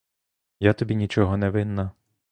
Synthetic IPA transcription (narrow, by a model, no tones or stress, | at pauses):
jat̪ɔbʲinʲit͡ʃɔɦɔnɛʋɪnːɐ